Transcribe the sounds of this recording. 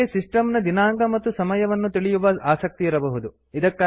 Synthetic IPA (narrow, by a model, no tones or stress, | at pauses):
esisʈɐmnɐd̪inaːŋɡɐmɐt̪ːusɐmɐjɐʋɐnːut̪iɭijuʋɐaːsɐk̚t̪iːɾɐbɐɦud̪u | id̪ɐkːaː